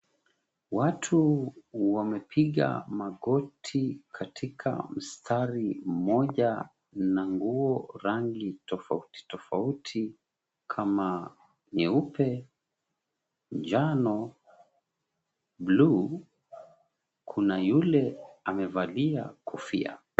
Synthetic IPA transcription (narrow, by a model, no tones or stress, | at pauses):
watʰuwamɛpʰiɠa̰maɠɔtʰikʰatʰikʰa̰m̩stʰaɾim̩mɔʄa | naŋɡuɔɾaŋɡitɔfauti̥tɔfautʰi | kʰama | ɲɛupɛ | nd͡ʒanɔ | blu | kʰunajulɛamɛvalia̰kufḭa̰